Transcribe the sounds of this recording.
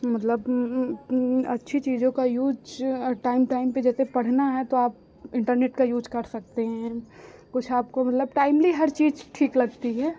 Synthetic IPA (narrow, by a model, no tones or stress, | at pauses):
mɐt̪ləb | ɐ̰tːʃʰit͡ʃiːd͡ʒõkajuːd͡ʒʈaːɪmʈaːɪmped͡ʒɛːsepɐɽ̤naɦɛt̪oaːp̚ | ɪ̃ɳʈəɾneːʈkajuːd͡ʒkɐɾsɐk̚t̪eɦɛ̃kʊt͡ʃʰaːp̚komɐt̪ləbʈaːɪmliɦɐɾt͡ʃiːzʈʰiːklɐɡt̪iɦɛː